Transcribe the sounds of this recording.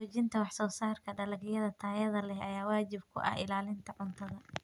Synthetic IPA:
uːt͡ʃɪnt̪ʰɐwɑħsɔːsaːrkʰɐɖɐlɐɡjɐðɐt̪ʰaːjɐðɐlɛhɐjaːwaːt͡ʃɪbkʰʊ̰ʔɐ̰hɪ̰laːlɪnt̪ʰɐʕʊnt̪ʰɐðɐ

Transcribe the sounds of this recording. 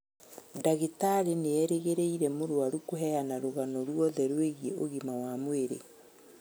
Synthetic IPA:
daɣetaɾeneɛɾeɣeɾeiɾɛmoɾwaɾukoɦɛanaɾoɣanɔɾwɔðɛɾweɣiɛʔoɣimawamweɾḛ

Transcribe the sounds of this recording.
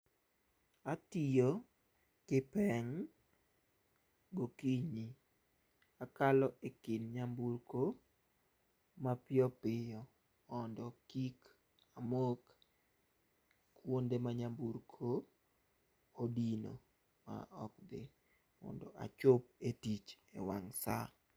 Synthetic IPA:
atijo | kɪpɛŋ | ɡokiɲi | akalɔʔekɪnɲamburko | mapjɔpɪjɔ | ɔndɔkik | amok | wondemaɲambuɾkʰo | dino̰ | ma̰ʔɔkdɪ | mɔ̰ndɔʔa̰t͡ʃʊp̚etit͡ʃḛwaŋsa̰

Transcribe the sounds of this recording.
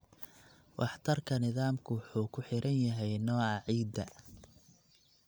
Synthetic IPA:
wʔɑħt̪ʰɐrkʰɐnɪðaːmkʰʊwħuːkʰʊħɪɾʔɐnjɐɦɛjnɔːʕɑʕiːd̪ɐ

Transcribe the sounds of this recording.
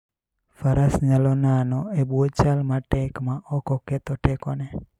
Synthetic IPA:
fəɾʔəsɲəlonanoebot͡ʃalmãʈekmãɔkoket̪oʈekone

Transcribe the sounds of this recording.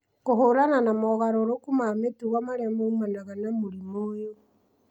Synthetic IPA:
koɦoɾananamɔɣaɾoɾokumametuɣwamaɾɛmoumanaɣanamuɾimojo

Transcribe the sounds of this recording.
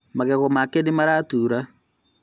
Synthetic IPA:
maɣɛɣomakenemaɾatuːɾa

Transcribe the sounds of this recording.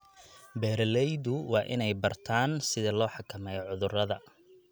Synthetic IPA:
bɛːɾɐlɛjðʊwɑːʔɪ̰nɛjbɐrt̪ʰaːnsɪðɐlɔːħɑkʰɐmɛːjʕʊðʊrɐðɐ̰

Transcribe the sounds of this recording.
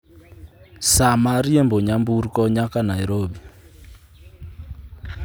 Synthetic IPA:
samaɾiemboɲamburkɔɲakanajɾobi

